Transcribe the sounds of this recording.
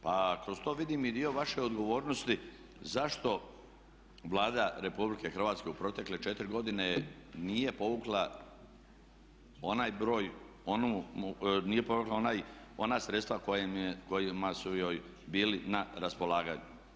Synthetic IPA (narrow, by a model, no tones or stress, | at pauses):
pakɾo̞st̪o̞ːʋid̪imid̪io̞ʋaʃe̞od̪ɡo̞ʋo̞ːɾnost̪i | zaʃt̪o̞ | ʋlˠaːd̪aɾe̞publike̞xɾ̩ʋaːt̪ske̞upɾo̞t̪e̞kle̞t͡ʃe̞t̪ɾiɡo̞d̪ine̞niːje̞po̞ʋuklˠa | o̞najbɾo̞ːj | on | nije̞po̞ʋuklaonajo̞nasɾet̪st̪ʋakojmeko̞jimasujo̞ːj | biːlinaɾaspo̞laːɡaɲu